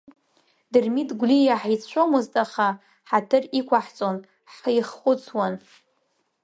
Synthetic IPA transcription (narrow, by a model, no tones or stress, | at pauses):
dɨrmitʰʼɡʷlijaħit͡sʷʰomɨztʼaχa | ħatʰɨrikʷʰaħt͡sʼon | ħjχʊt͡sʰwan